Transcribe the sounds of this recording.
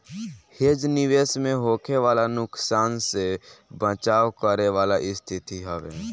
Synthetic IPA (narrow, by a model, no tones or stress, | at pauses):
heːd͡ʒnɪʋeːsmẽɦoːkʰeʋaːlanʊksaːnsebə̃t͡ʃaːwkəɾeʋaːlaʔɪst̪ʰɪt̪iɦɛʋḛː